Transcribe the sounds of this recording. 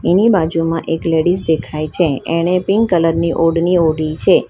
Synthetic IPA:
enibad͡ʒumãʔekleɽisd̪ekʰajt͡ʃʰeeɽ̃epɪŋɡkələɾniʔoɖnioɽit͡ʃʰe

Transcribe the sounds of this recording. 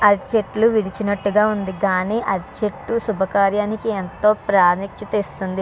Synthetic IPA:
ɐɾt͡ʃeʈluʋiɽit͡ʃinɐʈːuɡaːund̪iɡaːniːʔɐɾt͡ʃeʈːusubʱɐkaːɾjaːnikient̪o̞ːpɾaːnikʂut̪eːst̪und̪i

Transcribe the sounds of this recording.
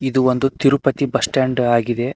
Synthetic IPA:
id̪uo̞nd̪ut̪iɾupɐt̪ibɐsʈaːɳɖaːɡid̪e̞

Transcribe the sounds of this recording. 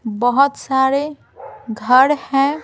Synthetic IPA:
bəɦʊt̪saɾe | ɡʱəɾhɛ̃

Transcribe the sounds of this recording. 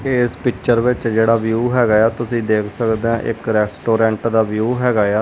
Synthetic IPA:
eːspɪkt͡ʃəɾʋɪt͡ʃd͡ʒeːɽaːʋjuːɦɛːɡaːjaːt̪ʊsĩːd̪eːkʰsəkd̪eːãːʔɪkɾɛːsʈoːɾɛ̃ːɳʈd̪aːʋjuːɦɛːɡaːjaː

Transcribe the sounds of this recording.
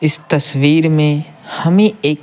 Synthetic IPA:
ɪst̪ɐswiːɾmẽ | hɐmĩeːk

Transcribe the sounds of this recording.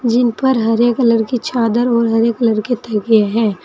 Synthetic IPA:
d͡ʒɪnpɐɾɦɐɾeːkləɽkit͡ʃʰaːd̪əɾɔːɾɦɐɾeːkləɾkit̪ɛɦɡijaɦɛː

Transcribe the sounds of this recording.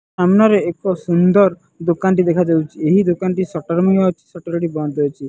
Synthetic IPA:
amnaɾeekɔsund̪ɔɾ | d̪okanʈid̪ekʰad͡ʒewt͡ʃʰieɦid̪okanʈisɔʈɔɾmijɔt͡ʃʰi̥sɔʈɔɾʈibɔnd̪ɔwt͡ʃʰi

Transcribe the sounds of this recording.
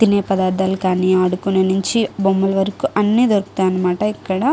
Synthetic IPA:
t̪inepɐd̪aːɾd̪ɐlkaːnijɐɐɽukːuneːniɲt͡ʃibomːɐlʋɐɾɐkuʔɐnːid̪oɾkt̪aːɐnɐmaːʈɐikːɐɽɐ

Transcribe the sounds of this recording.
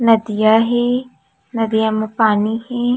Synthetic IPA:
nəd̪ɪjaːɦeː | nəd̪ijaːmpaːniːheː

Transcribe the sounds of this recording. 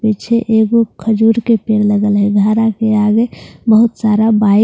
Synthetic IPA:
pit͡ʃʰeʔeɡokʰəd͡ʒuɾkepeɾləɡəlɦɛɡʱaɾakeaɡebəɦut̪saɾaba

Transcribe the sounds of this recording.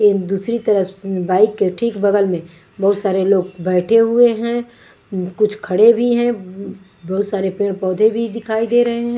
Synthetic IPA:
ed̪uːsɾit̪ɐɾəfsbaːɪkːeʈʰiːkbɐɡəlmẽ | bɐɦʊt̪saːɾeloːɡbɛːʈʰeɦʊeɦɛ̃ | kʊt͡ʃʰkʰɐɽebʱiɦɛ̃ | bɐɦt̪saːɾepeːɽ̃pɔːd̪ʱebʱid̪ɪkʰaːid̪eːɾɐɦeɦɛ̃ː

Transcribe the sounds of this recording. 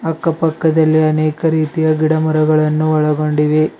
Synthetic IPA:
ɐkːɐpɐkːɐd̪ɐlːiɐneːkɐɾiːt̪ijɐɡiɽɐmɐɾɐɡɐɭɐnːuɔɭɐɡo̞ɳɖiʋe

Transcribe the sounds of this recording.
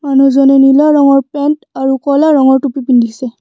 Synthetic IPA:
manuzɔnɛnilaɹɔŋɔɹpɛntaɹukɔlaɹɔŋɔɹtupipindisɛ

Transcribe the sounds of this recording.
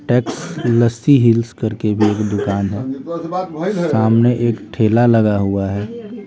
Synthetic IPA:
ʈɛːksləst̪iɦɪlskɐɾkebʱieːkd̪ʊkaːnɦɛː | saːmneʔeːkʈʰeːlalɐɡaɦuaɦɛː

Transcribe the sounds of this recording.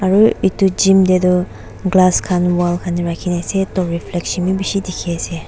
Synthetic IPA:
aɾuitud͡ʒimdedɔ | ɡlaskʰanwalkʰaniɾakʰinajsetɔɾipʰleksinmibisidikʰeɐse

